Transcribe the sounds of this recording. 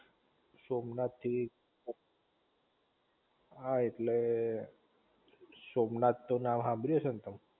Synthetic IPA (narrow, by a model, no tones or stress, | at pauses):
somnat̪ʰːi | aeʈle | somnat̪ːonãmɦãbɾiəsənt̪əm